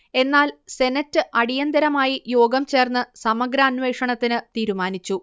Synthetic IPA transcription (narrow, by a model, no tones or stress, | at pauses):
e̞nːaːlse̞nɐtːɨʔɐɽijɐnd̪ɐɾɐmaːjijo̞ːɡɐmt͡ɕe̞ːrnːɨsɐmɐɡɾɐːnʋe̞ːkʂɐɳɐt̪ːinɨt̪iːɾumaːnit͡ɕːu